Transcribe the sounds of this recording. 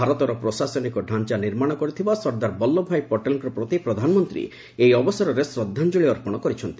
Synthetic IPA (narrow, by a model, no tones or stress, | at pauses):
aɾɔt̪ɔɾɔpɾɔsasɔnikɔɖʱant͡ʃaniɾmaɽ̃ɔkɔɾit̪ʰibasɔɾd̪aɾbɔlːɔbʱajpɔʈelkɾɔpɾot̪ipɾɔd̪ʱanɔmɔnt̪ɾḭ | ejɔbɔsɔɾɔɾesɾɔd̪ʱːand͡ʒoɭiɔɾpɔɽ̃ɔkɔɾit͡ʃʰɔnt̪i̥